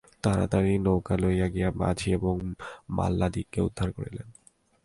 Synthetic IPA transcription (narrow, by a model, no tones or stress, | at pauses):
t̪aɾa̰t̪aɾinowkalojaɡijama̰d͡ʑʱieboŋma̰lːad̪ikːeṵd̪ʱːaɾkoɾḭlen